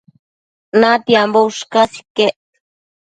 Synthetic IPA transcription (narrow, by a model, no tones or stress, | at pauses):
nat̪iambouʃkasi̥keʔ